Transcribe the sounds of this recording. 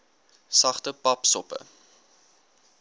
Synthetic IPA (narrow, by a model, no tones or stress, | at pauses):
sɐχtəpɐpsɔpə̰